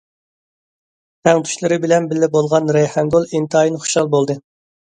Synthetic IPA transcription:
t̪ʰɛŋt̪ʰy̥ʃlˠɨɾɨbɪlɛnbɪlːɪbolˠʁɑnɾɛjhɛŋɡolˠint̪ʰɨɑjinɨχu̥ʃɑlˠbolˠd̪ɨ

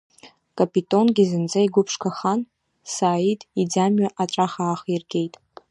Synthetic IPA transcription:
kʼapʼitʼo̞nɡʲizɨnd͡zaiɡʷʊpʰʂkʰaχan | saːitʼid͡zamɥaʔaʈ͡ʂʼaχaːχirɡʲʼe̞jtʼ

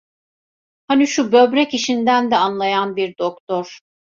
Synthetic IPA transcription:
haniʃubø̞bɾɛciʃind̪ænd̪ɛanlˠajanbiɾd̪okt̪ʰoɾ̥

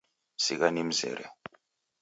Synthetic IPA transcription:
sikanim̩zɛ̰ɾɛ̰

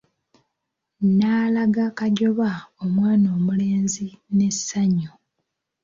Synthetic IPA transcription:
naːlaɡakaɟo̞βaomwaːno̞ːmule̞ːnzine̞sːaɲo

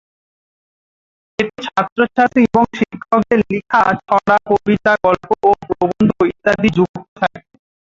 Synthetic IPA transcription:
eʈet͡ɕʰat̪ːɾoʃʰat̪ieboŋʃikʰːok̚d̪eɾlikʰat͡ɕʰɔɽakobit̪aɡɔlpoopɾobond̪ʱoit̪ːad̪id͡ʑuk̪ot̪ʰak

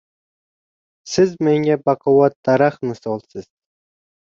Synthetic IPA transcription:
sɪzmeŋɡʲɛbɑqʰɑwɑt̪̚d̪̥ɑɾaχnɨsɔlˠsɨz̥

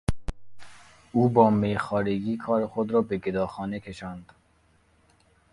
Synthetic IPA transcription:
uːbɒːmejxɒːɾeɡiːkʰɒːɾexod̪ɾɒːbeɡed̪ɒːxɒːnekʰe̞ʃɒːnd̪̥

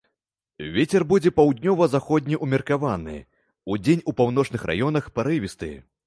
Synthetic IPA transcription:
vʲet͡sʲɛrbud͡zʲɛpawd̪ʲnʲɔvɐzaxɔd̪ʲnʲiʔumʲɛrkavanɨ̰ | ud͡zʲenʲupawnɔt͡ʂnɨxɾa̰jɔnɐxpɐɾɨvʲist̪ɨ

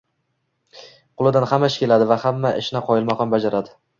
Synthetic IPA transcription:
qʰʊlˠɪd̪anhamaʃɪkʲelad̪ɪvahamːaʔɪ̰ʃnɪqʰɒjɪlˠmaqɒnbad͡ʒaɾad̪ɪ

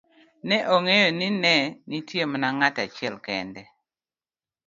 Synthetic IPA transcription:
nɛʔoŋejɔninɛnitjemanaŋatat͡ʃɛlkɛ̰ndɛ

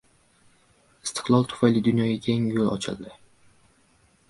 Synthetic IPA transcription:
ɪst̪ʰɨ̥qlˠɒlˠt̪ʰʊ̥fajlɪd̪ʊnjɒjakʲʰeŋjolˠɒ̰t͡ʃʰɪ̰lˠd̪ɪ

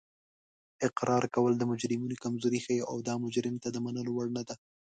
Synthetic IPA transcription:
ɪqɾɑɾkawəld̪əmʊd͡ʒɾɪminokamzoɾixəjeʔawd̪ɑmʊd͡ʒɾɪmt̪ad̪əmanəlowaɽnad̪a

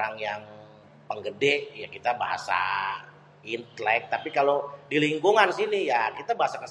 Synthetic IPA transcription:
aŋjaŋ | pəŋɡədɛʔjakit̪abaɦa̰sa̰ | int̪lɛk̚t̪apikalodiliŋɡuŋansinijakit̪abaɦasakəs

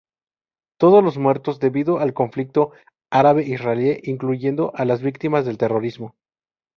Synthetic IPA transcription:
t̪o̞ð̞ozlo̞zmwe̞ɾt̪o̞zðe̞βiðo̞alko̞ɱflik̚t̪o̞ | aɾaβe̞ʔisraeleʔiŋkluʝe̞nd̪o̞ʔalazβikt̪imazðelt̪e̞ro̞ɾizmo̞

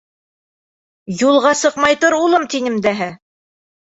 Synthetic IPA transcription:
julˠʁɑsɤ̆qmɑjt̪ɤɾulˠɤmt̪inɘ̆md̪æɦæ

